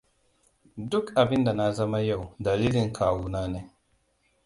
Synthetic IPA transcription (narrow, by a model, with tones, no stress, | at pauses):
dʊ˦kʔa˨bɪ˦nda˨na˦zɐ˦ma˦ja˦˨wdɐ˨liː˦lɪ˨ŋkʰaː˨wuː˦naː˦neː˦